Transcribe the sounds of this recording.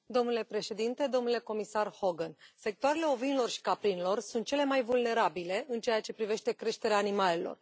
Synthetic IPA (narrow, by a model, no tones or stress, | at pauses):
d̪o̞mnule̞pɾe̞ʃe̞d̪int̪e̞d̪o̞mnule̞ko̞misarho̞ɡənse̞k̚t̪oaɾe̞le̞o̞vinlo̞rʃi̥kapɾinlo̞rsunt̪̚t͡ʃele̞majvulne̞ɾabile̞ʔɨnt͡ʃejat͡ʃe̞pɾive̞ʃt̪e̞kɾe̞ʃt̪e̞ɾeaːnimale̞lo̰r